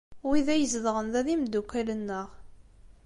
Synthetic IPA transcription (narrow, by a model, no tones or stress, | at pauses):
wiðæjəzðʁənðæðimd̪ːukːælənːəʁ